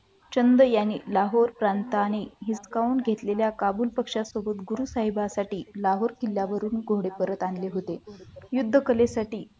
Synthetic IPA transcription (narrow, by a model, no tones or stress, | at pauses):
t͡ɕənd̪əjanilaɦoɾpɾant̪aːñiɦiskauːnɡʱet̪leljakabuːlpəkʂasobət̪ɡuɾusaɦibasaʈiːlaɦoɾkilːjaʋəɾuːnɡʱoɽepəɾət̪anleɦot̪ejud̪ʱːəkəlesaʈiː